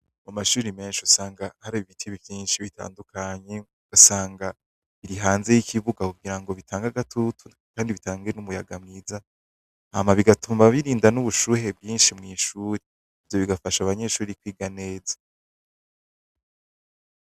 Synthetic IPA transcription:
mumaʃuːɾime̞ːnʃiusaːŋɡahaɾaβiβitʰiβivjiːnʃiβita̰ːndukʰaɲe̞ | ɡ̥asaːŋɡa | iɾiɦaːnze̞jikiβuɡakuuɡiɾaŋɡo̞βitʰaːŋɡaɡatʰotʰu | kaːndiβitaːŋɡenumujaɡamŋiːza | a̰maβiɡatʰuːmbaβiɾiːndanuβuʃuːhe̞b̚ɡiːnʃimŋiːʃuːɾe | ivjo̞βiɡafaʃaβaɲe̞ʃuːɾikwiːɡane̞ːza

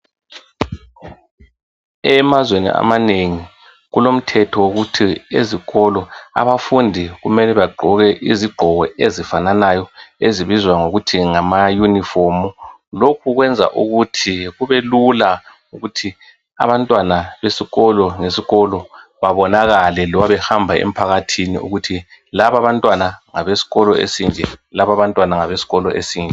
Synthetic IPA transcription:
ɛmazwenḭʔa̰maneŋi | ɣulom̩tʰɛtʰɔwoɣutʰieziɣɔlɔa̰βafundʱiɣumɛlɛβaɡ͡ǃʱɔɣɛʔiziɡ͡ǃʱɔɣɛʔezifananajɔeziβizwaŋoɣutʰiŋamajunifomu | lokʰuɣwɛnd͡zʱa̰ʔuɣutʰiɣuβelula | uɣutʰi | a̰βantʼwanaβesiɣɔlɔŋesiɣɔlɔβaβɔnaɣalɛlɔwaβɛhambʱaḛm̩pʰaɣatʰinḭʔṵɣutʰilaβaβantʼwanaŋaβesi̥ɣɔlɔḛsind͡ɮʱɛlaβaβantʼwanaŋaβesi̥ɣɔlɔ̰ʔesiːnd͡ɮʱɛ

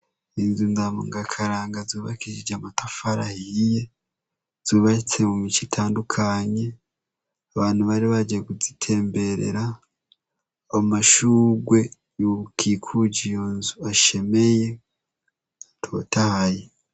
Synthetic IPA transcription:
inzunzamṵŋɡakʰaɾaːŋɡazuːβa̰kid͡ʒid͡ʒamatafaɾahije̞ | z̥uːβat͡semumicitʰaːndukʰaɲe̞ | aβaːnhuβaɾiβad͡ʒieɡuzitʰe̞ːmbe̞ɾḛɾa | omaʃuɡwe̞ | jukʰikʰuɟijonzuaʃe̞me̞je̞ | tʰo̞tahaje

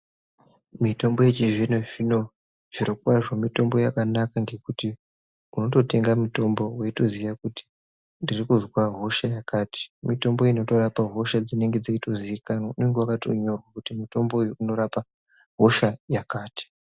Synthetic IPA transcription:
mito̞mboje̞t͡ʃiʐinoʐino̞ | ʐ̥iɾokwaʐo̞mito̞mbo̞jakanakaŋɡe̞kuti | muno̞to̞te̞ŋɡamuto̞mbo̞weito̞zijakuti̥ | ndirikuzwaɦo̞ʃajakaːti̥mito̞mbo̞ino̞to̞ɾapaɦo̞ʃad͡zine̞ŋɡe̞d͡zaito̞ziikanoune̞ŋɡewakatoɲo̞rwakutimuto̞mbo̞uno̞ɾapa | ɦoʃajakaːti̥

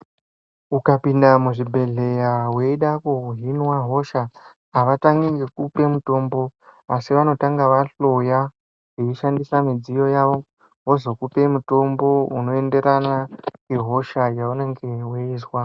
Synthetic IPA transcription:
ukapindamuʐibʱe̞ɮe̞jawe̞iɗakuuɦinwaɦo̞ʃaː | ʋataŋɡiŋɡekupe̞muto̞mbo̞asiʋano̞taŋɡaʋaɬo̞ja | eiʃandisamid͡zijo̞jaʋo̞ | ɦo̞zo̞kupe̞muto̞mbo̞uno̞e̞nde̞ɾanaŋeɦo̞ʃajaune̞ŋɡeweiːswa

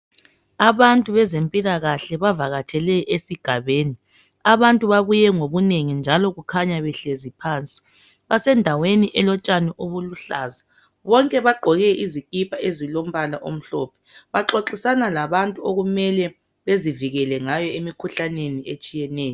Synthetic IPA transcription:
aβantʼuβɛzempʼilaɣaɬɛβavaɣatʰɛlɛʔesiɡ̥ʱaβeːni | aβantʼuβaβujɛŋoβuneŋind͡ʒʱalɔɣukʰaɲaβɛɬezipʰaːnt͡sʼi̥ | βasɛndʱaweniʔɛlɔt͡ʃʼanɛʔoβuluɬaːza | βɔŋkʼɛβaɡ͡ǃʱɔɣɛʔizikʼipʰʼaʔezilom̩βalaʔo̰m̩ɬɔpʰɛβaǁoǁisanalaβantʼuoɣumɛlɛ | βeziviɣɛlɛŋajɔemikʰuɬaneniet͡ʃʼijɛnɛːjɔ

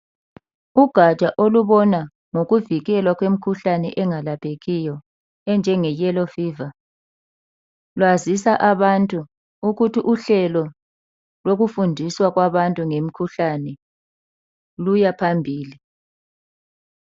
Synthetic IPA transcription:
uɡ̥ʱat͡ʃʼaʔoluβɔna | ŋoɣuviɣɛlwaɣwem̩kʰuɬanɛʔɛŋalapʰeɣijɔ | ɛnd͡ʒʱɛŋɛjɛlɔfiːva | lwazisaʔaβantʼu | uɣutʰiʔuɬɛlɔ | loɣufundʱiswaɣwaβantʼuŋem̩kʰuɬanɛ | lujapʰambʱiːli

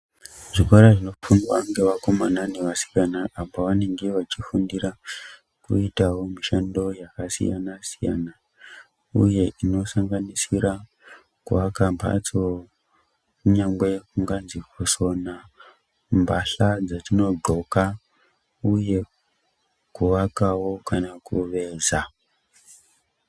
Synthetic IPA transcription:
ʐikwaɾaʐino̞funwaŋɡe̞ʋako̞mananeʋasi̥kanaːmoʋane̞ŋɡe̞ʋat͡ʃifundiɾa | kṵitawo̞miʃando̞jakasḭja̰nasija̰na | ṵje̞ʔino̞saŋɡanisiɾa | kuʋakamba̰t͡so | kuɲaŋɡwe̞kuŋɡanzikoso̞na | mbaɬad͡zatino̞ɡ͡ǃo̞ka | uje̞ | kuʋakawo̞kanakuʋe̞ːza

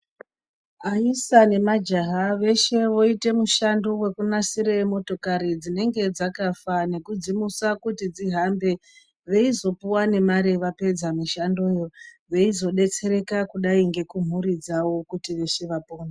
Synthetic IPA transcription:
aisane̞mad͡ʒaɦaʋe̞ʃe̞ʋo̞ite̞muʃandowe̞kunasiɾemo̞to̞kaɾid͡zine̞ŋɡe̞d͡zakafane̞kud͡zimusakutid͡ziɦambe̞ | ʋe̞izo̞puwane̞maɾeʋape̞d͡zamiʃando̞jo̞ | ʋe̞izo̞ɗe̞t͡se̞ɾe̞kakuɗaiŋɡe̞kum̤uɾid͡zawo̞kutiʋe̞ʃeʋapoːna

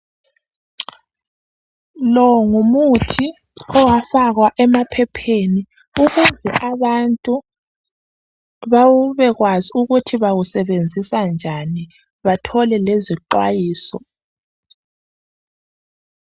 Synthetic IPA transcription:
lɔŋumutʰi | ɔwafaɣwaʔɛmapʰɛpʰeni | uɣuzɛʔaβantʼu | βawuβɛɣwaziuɣutʰiβawusɛβend͡zʱisand͡ʒʱani | βatʰɔlɛleziǃwajiːsɔ

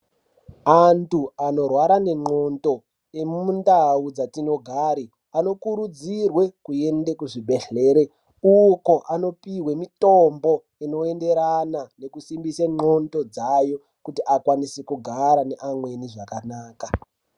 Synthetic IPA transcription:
antuano̞rwaɾane̞ŋ͡ǃo̞nto̞ | e̞mundaud͡zatino̞ɡʱaɾi | ano̞kuɾud͡zirwekue̞ndekuʐibʱe̞ɬe̞ːɾe | uko̞ʔano̞piwe̞mitombo̞ | ino̞e̞nde̞ɾanane̞kusimbiseŋ͡ǃo̞nto̞d͡zajo̞ | kutiʔakwanisikuɡʱaɾane̞ʔamwe̞niʐakanaːka

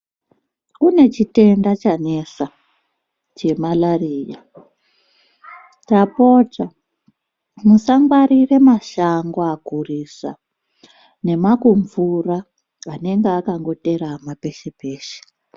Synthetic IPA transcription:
kune̞t͡ʃite̞ndat͡ʃane̞sa | t͡ʃe̞malariːja | tapo̞ta | musaŋɡwaɾire̞maʃaŋɡoakurisa̰ | ne̞makuɱvuraː | ne̞ŋɡeakaŋɡo̞te̞ɾamape̞ʃepe̞ːʃe̥

